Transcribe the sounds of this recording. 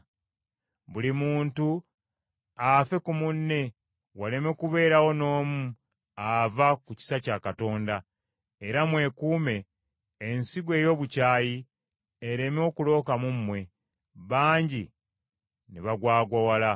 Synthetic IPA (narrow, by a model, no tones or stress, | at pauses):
βulimuːntu | afe̞kumunːe̞ | wale̞mekuβe̞ːɾawo̞no̞ːmu | avakuci̥sacakato̞ːnda | eɾamwe̞kuːme̞ː | nsiɡwe̞ːjo̞ːβucaːjiː | ɾe̞mo̞kulo̞ːkamumːwe̞ | βaːɲɟi | neβaɡwaːɡwawala